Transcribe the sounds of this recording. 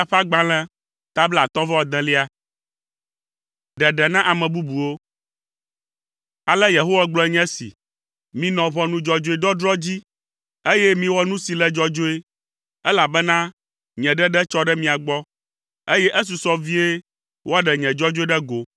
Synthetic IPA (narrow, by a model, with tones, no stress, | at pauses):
a˨ɸa˦ɡ͡bã˨lɛ̃˦ | t̪a˦bla˨t̪ɔ̃˦vɛ˦wɔ˦d̪ɛ̃˦li˦a˨ | ɖɛ˨ɖɛ˨nã˦ʔa˨mɛ̃˨bu˦bu˨wo˦ | a˨lɛ˦je˨ɦo˦wa˦ɡ͡blɔ˨˦ɛ˨ɲɛ̃˦sḭ˨ | mĩ˨nɔ̃˨βɔ˦nũ˦d͡ʒɔ˨d͡ʒo˦e˨d̪ɔ˦dɾɔ˦d͡ʑi˦ | e˦jɛ˦mĩ˦wɔ˦nũ˦si˨lɛ˦d͡ʒɔ˦d͡ʒo˦e˦ | ɛ˦la˨bɛ˦nã˦ | ɲɛ̃˨ɖɛ˦ɖɛ˦t͡ʃɔ˦ɖɛ˦mĩ˨a˨ɡ͡bɔ˦ | e˦jɛ˦ʔɛ˦s̬u˨sɔ˦vi˦e˦ | wʔo˦a˦ɖɛ˨ɲɛ̃˨d͡ʒɔ˦d͡ʒo˦e˦ɖɛ˦ɡo˨